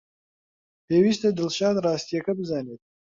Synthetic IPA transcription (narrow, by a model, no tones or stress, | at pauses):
heːwiʃt̪ad̪ɪlʃɑːt̪ɾɑːst̪ijekabzɑːnet̪̚